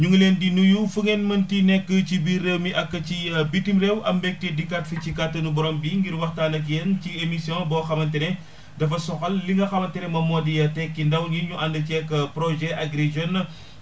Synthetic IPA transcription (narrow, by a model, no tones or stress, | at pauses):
ɲuŋleːndinujufuŋɛnmɐntinɛkːəcibiɾəmiʔɐkːɐcibitimɾɛwʔɐ̰mbɛk̚tedikatfɐt͡ʃikatːɐnubɔɾɔːmbiŋɡiɾwɐxtaːnɐk̬jɛnciemisjɔ̃bɔxɐmɐntɐnɛ | dɐfɐsɔxɐlːiŋɡɐxɐmɐntɛnɛmɐmɔdijɐtɛkːindɐwniɲuʔɐndɐcɛkːɐpɾɔʒɛʔɐɡɾed͡ʒɔnːɐ